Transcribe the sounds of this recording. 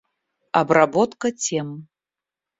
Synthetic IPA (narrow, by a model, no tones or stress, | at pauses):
a̰brabot̪kɐt͡sʲʰem